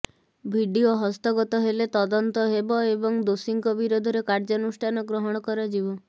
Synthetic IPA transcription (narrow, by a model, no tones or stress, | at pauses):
bʱiɖioɦɔst̪ɔɡɔt̪ɔɦelet̪ɔd̪ɔnt̪ɔɦebɔebɔŋd̪osiŋkɔbiɾod̪ʱɔɾekaɾd͡ʒɔnusʈʰanɔɡɾɔɦɔɽ̃ɔkɔɾɔd͡ʒibɔ